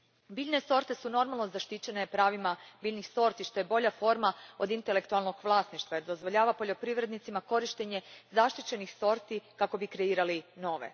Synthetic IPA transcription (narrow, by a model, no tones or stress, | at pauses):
biːʎne̞so̞ɾt̪e̞suno̞ɾmalˠno̞zaʃt̪it͡ɕe̞ne̞pɾaːʋimabiːʎnixso̞ɾt̪iʃt̪o̞jebo̞ʎafo̞ɾmao̞d̪int̪ele̞kt̪ualˠno̞ɡʋlˠaːsniʃt̪ʋaeɾd̪o̞zʋo̞ʎaːʋapo̞ʎo̞pɾiʋɾe̞d̪nit̪simako̞ɾiʃt̪eɲe̞zaʃt̪it͡ɕe̞nixso̞ɾt̪ikako̞bikɾe̞iːɾalino̞ːʋḛ